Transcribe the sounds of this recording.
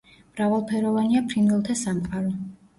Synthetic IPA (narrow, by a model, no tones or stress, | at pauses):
mɾavalˠpʰɛɾɔvaniapʰɾinvɛlˠt̪ʰasamqʼaɾɔ